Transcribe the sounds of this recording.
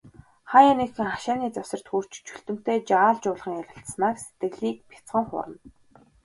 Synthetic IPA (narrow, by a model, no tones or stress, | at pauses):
χajanexɘ̆ŋχaʃaːniːt͡sasə̆r̥t̪xur̥t͡ɕt͡ɕʰuɬt̪ɵ̆m̥t̪eːt͡ɕaːɮt͡ɕʊːɮʁə̆ŋjaɾʲɪ̆ɬt̪snaːkset̪ɡɘ̆ɮiːk̚pʰʲḁt͡sχə̆ŋχʊ̰ːɾə̆n